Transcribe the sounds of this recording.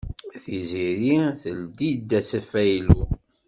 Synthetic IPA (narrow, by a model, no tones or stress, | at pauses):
θiziɾiθəld̪id̪ːæsæfæjlu